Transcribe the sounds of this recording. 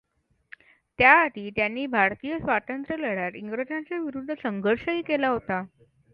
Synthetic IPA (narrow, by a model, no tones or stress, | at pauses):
t̪jaʈ̪iːt̪janːiːbʱaɾt̪ijəsʋat̪ənt̪ɾələɽjaɾiŋɡɾəd͡ʑnat͡saʋiɾud̪ʱːəsəŋɡʱəɾʂəiːkelaɦot̪a